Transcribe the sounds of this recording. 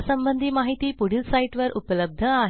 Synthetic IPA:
səmbənd̪ʱiːmaɦit̪iːpuɽ̤ilsaiʈʋəɾʔupələb̚d̪ʱəaɦ

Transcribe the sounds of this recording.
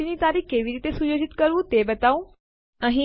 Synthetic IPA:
init̪aːɾiːkeːʋiɾiːt̪esujoːd͡ʑɪt̪kəɾʋũt̪ebɐt̪aːũ | ɐ̃ɦĩ

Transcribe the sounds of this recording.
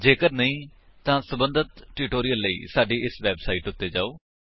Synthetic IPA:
d͡ʒeːkəɾnəĩː | t̪ãːsəbə̃nd̪ət̪ʈʊʈoːɾijəlːəḭːsaːɖiːʔɪsʋɛːbsaːiːʈʊt̪ːeːd͡ʒa̰ːoː

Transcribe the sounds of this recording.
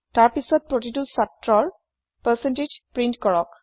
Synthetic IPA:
taɹpisɔt̚pɹotitusatɹɔɹ | pəsented͡ʒpɹintkɔɹɔk̚

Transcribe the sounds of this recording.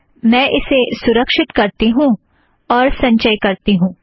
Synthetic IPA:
mɛ̃ːʔɪsesʊɾəkʃɪt̪kɐɾt̪iɦũː | ɔːɾsɐ̃ɲt͡ʃəjkɐɾt̪iɦũː

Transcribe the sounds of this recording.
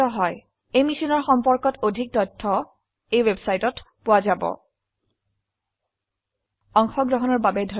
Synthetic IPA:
ɔɦɔj | ejmisinɔɹxɔmpɔɹkɔtodʱik̚tɔtʰːɔ | ejwebsajtɔtpʊwazabɔ̰ | ɔŋxɔɡɹɔɦɔnɔɹbabɛdʱo

